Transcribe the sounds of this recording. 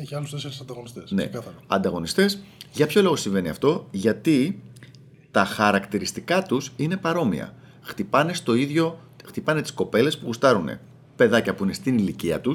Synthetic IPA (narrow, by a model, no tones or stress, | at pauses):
eɐlust̪eseɾsɐnd̪ɐɣonist̪esnḛɐɐɐ̰nd̪ɐɣo̞nist̪e̞sʝɐpço̞lo̞ɣo̞siɱve̞niɐ̰ft̪o̞ʝɐt̪i | t̪ɐxɐɾɐkt̪iɾist̪ikɐt̪usine̞pɐɾo̞mḭɐ̰ | xt̪ipɐne̞st̪o̞iðʝo̞ | xt̪ipɐne̞t̪i̥sko̞pe̞le̞spuɣust̪ɐɾune̞̰ | pe̞ðɐcɐpuine̞st̪iniliciɐ̰t̪us